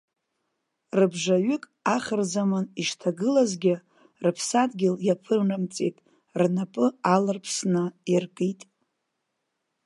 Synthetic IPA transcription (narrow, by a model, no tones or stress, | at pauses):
rɨbʐaɥʏkʼaχʲərzamɨniʃtʰaɡɨlazɡʲɪ | rɨpʰsadɡʲɪljapʰɨrnɨmt͡sʼḛjtʼ | rnapʼɨalɨrpʰsnɨirkʼitʼ